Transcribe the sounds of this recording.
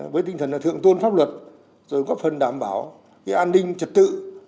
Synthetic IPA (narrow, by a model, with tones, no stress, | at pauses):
vəː˨˦t̪i˧ŋt̪ʰə˨˩nlaː˨˩t̪ʰɨ̰˧˨əŋt̪u˧ənfa˦˥p̚lwə˨˩t̚ | zo˨˩jŋɣɔ˦˥p̚fə˨˩nɗaː˨˩mɓaː˨˩w | kaː˨˦jʔaː˧nːï˧ŋ̟t͡ɕə˨˩t̚t̪ɨ̰˧˨